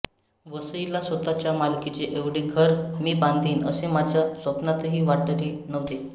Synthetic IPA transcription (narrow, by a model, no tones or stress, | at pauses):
ʋəsəilasʋət̪at͡ɕjamalkit͡ɕeʔeʋɽ̤eɡʱəɾmiːbãnd̪ʱiːnə̰semad͡ʑʱjasʋəpnat̪əɦiːʋaʈəɾinəʋt̪e